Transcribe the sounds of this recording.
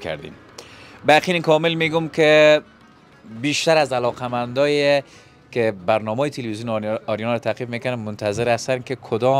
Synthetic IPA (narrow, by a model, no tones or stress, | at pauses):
kʰa̰ɾd̪ḭm | baqinɪkʰɔmɪlmeɡumke | biʃt̪aɾazalɔqamand̪ɒje | kebaɾnɔmɔːjet̪ʰelwizijunɔɾjɔnɾɔt̪ʰaqifmekanamːʊnt̪ʰazɪɾast̪ankekʰʊd̪ɔ